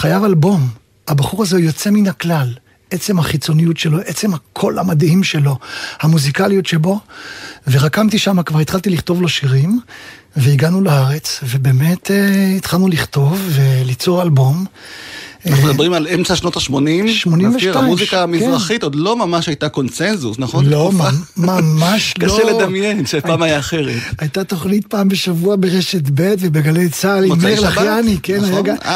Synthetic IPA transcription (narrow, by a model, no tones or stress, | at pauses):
χajavalbo̞m | habaχuʁazeujo̞t͡se̞minhaklal | ʔet͡se̞mhaχit͡so̞nijutʃelo̞ʔet͡se̞mhakʰo̞lamadhimʃe̞lo̞hamuzikalijotʃe̞bo̞veʁakamt̪iʃamakvaʁit̪χalt̪iliχt̪o̞vlo̞ʃiʁim | veiɡanulaaʁe̞t͡svebeːme̞teit̪χalnuliχt̪o̞vːe̞lit͡so̞ʁalbo̞m | amed̪abʁimalemt͡saʃnotaʃmonimʃmo̞nimveʃamuzikamizkʁaχit̪od̪lo̞mamaʃajtako̞nsenzusnaχonlommamaʃlaoeledamjenʃepaːmajaːχeʁetajtat̪oχnitpaːmbe̞ʃavuabeʁeʃetbetvebiɡalejt͡salimeʁlaχjanikenajaɡa